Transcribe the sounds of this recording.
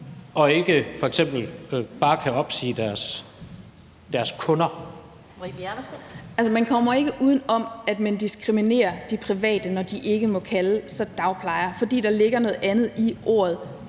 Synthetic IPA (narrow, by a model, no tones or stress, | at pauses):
ɒ̽e̝ɡ̥əfɒ̽eɡ̥sem̰b̥l̩b̥ɑ̈ːkʰæɒ̽b̥sḭːd̥æɐs | d̥æɐskʰɔ̽nɐ | æls̬ɐmænkʰɒ̽m̰ɐe̝ɡ̥əʔuːð̞ˠn̩ɒ̽mæd̥mænd̥isɡ̥ʁimine̝̰ːɐd̥ipʰʁiʋɛ̰ːd̥ənɒd̥iʔe̝ɡ̥əmɔ̽kʰæləsɒ̽d̥ɑ̈ʊpʰlɑ̈ɪɐfɒ̽d̥ḭːd̥ɑ̈le̝ɡ̥ɐnɔ̽ːð̩ˠænð̩ˠiʔo̝̰ːɐð̞̩ˠ